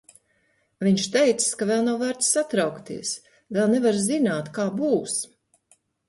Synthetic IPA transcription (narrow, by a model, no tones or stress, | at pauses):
viɲʃt̪ɛjt̪sɨ̥skavɛlˠnawvæɾt̪ssːat̪ɾawkt̪ḭɛəs | vɛlˠnɛvaɾzinaːt̪kaːbuːs